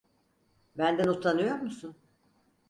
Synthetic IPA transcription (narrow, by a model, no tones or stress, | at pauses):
bænd̪ænut̪ʰːanɯjo̞ɾmusun